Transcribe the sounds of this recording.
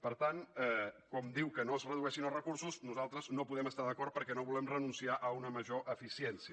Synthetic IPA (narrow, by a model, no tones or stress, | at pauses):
pəɾt̪anɛkɔmd̪iwkənoəzrəðuɛʃinəlˠrəkuɾsuznuzalˠt̪ɾəznopuðɛməst̪aðəkɔɾt̪̚pəɾkɛnoβulɛmrənunsiaʔəunəməʒoʔəfisiɛnsiə